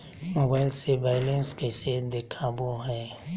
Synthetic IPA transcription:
moːbaːɪlsebaːɪlẽnskesed̪ekʰaboɦɛː

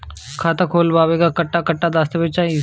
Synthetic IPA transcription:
kʰaːt̪akʰoːlbaːʋeɡakɐʈːakɐʈːad̪aːst̪ebet͡ʃaː

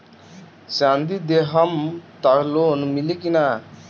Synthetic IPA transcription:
sand̪id̪eɦəmt̪aɾloːnmilikina

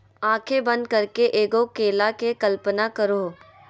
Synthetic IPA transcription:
ãːkʰebɐ̃nd̪̚kɐɾkeʔeːɡokeːlakekɐlpənakɐɾoː

